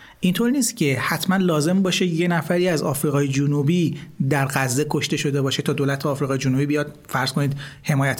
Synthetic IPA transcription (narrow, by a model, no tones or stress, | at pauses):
ʔint̪ʰo̞ɾniːst̪cʰe̞hæt̪ʰmænlɒːze̞mbɒːʃe̞je̞næfæɾiːæzɒːfɾiːɣɒːjed͡ʒonubiːd̪æɾɣæzːe̞kʰo̞ʃt̪e̞ʃo̞d̪e̞bɒːʃe̞t̪ʰɒːd̪oːlæt̪ʰeɒːfɾiɣɒːjed͡ʒonubiːbijɒːd̪̥ | fæɾz̥kʰo̞nid̪he̞mɒːjæt̪ʰ